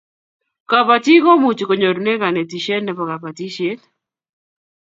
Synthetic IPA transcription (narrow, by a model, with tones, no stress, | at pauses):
ka˨pa˨ti˦kɔ˦mu˨t͡ʃko˨ɲo˨ɾu˨ne˦ka˨nɛ˨ti˨ʃe˦nnːɛ˦pɔ˨ka˨pa˨ti˦ʃe˦t̪